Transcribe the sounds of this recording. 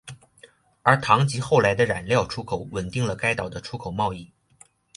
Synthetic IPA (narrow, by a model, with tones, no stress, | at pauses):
ə˞˧˥t̪ʰɑ˧˥ŋt͡ɕi˧˥xo˥˩ʊla˧˥ɪd̪ə˧ɻa̰˨˩nljɑ˥˩ʊʈ͡ʂʰu˥kʰo˨˧˦ʊwə˨˩nt̪i˥˩ŋlə˩ka˥ɪt̪ɑ˨˩ʊd̪ə˦ʈ͡ʂʰu˥kʰo˨˩ʊmɑ˥˧ʊi˥˩